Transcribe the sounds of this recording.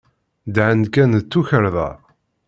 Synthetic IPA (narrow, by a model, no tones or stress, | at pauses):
d̪ʕənkænt͡sːuçəɾðˤɑ̰